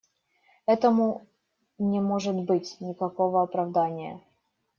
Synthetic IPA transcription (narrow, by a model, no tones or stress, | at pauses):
ɛt̪əmʊ | nʲɪmo̞ʐɨt̪bɨtʲnʲɪkɐko̞vəɐpɾɐvd̪anʲɪjə̰